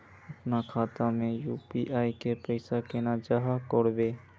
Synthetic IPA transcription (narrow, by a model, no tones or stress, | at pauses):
ɐpnakʰaːt̪amẽjuːpiʔaːikepəɪsakeːnad͡ʒaɦakoːɽbeː